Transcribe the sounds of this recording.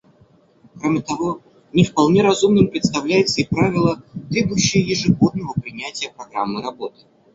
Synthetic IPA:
kɾomʲɪt̪ɐvo̞ | nʲɪfpɐlˠnʲe̞ɾɐzumnɨmpɾʲɪt̪st̪ɐvlʲæjɪt̪səɪpɾavʲɪlˠət̪ɾʲe̞bʊjʉɕːɪjəjɪʐɨɡo̞d̪̚nəvəpɾʲɪnʲætʲɪjəpɾɐɡɾa̰mːɨɾɐbo̞t̪ɨ̥

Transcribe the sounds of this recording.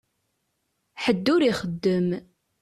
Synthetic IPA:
ħəd̪ːʊɾiχəd̪ːəm

